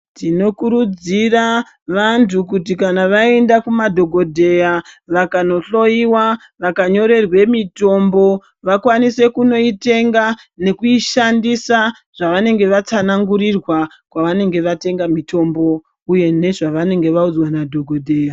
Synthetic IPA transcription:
tino̞kuɾud͡zira | ʋantuk̬ut̬ikanaʋaendakumadʱo̞ɡʱo̞dʱe̞jaʋakano̞ɬo̞iwa | ʋakaɲo̞ɾe̞rwe̞mito̞mbo̞ | ʋakwanise̞kuno̞ite̞ŋɡa | ne̞kuiʃandisa | ʐ̥aʋane̞ŋɡe̞ʋat͡sanaŋɡuɾirwa | kwaʋane̞ŋɡe̞ʋate̞ŋɡamito̞mbo̞ | uje̞ne̞ʐaʋane̞ŋɡe̞ʋaud͡zwanadʱo̞ɡʱo̞dʱeːja

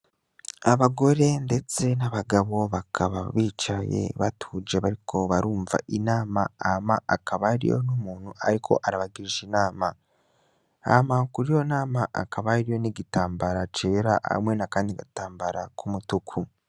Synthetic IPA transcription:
aβaɡo̞ɾe̞nde̞t͡se̞naβaɡaβo̞βakʰaβaβiːt͡ʃaje̞̰βatʰud͡ʒeβaɾikʰo̞βaɾuːɱva̰ʔinaːmaamaakʰaβaɾḭjo̰numuːn̥huʔaɾikʰo̞̰ʔaɾaβaɡiɾiʒinaːma | a̰makuɾijo̞naːmaʔa̰kaβaɾijo̞niɡitaːmbaɾat͡ʃe̞ːɾaʔa̰mwe̞nakaːndiɡataːmbaɾakʰumutukʰu

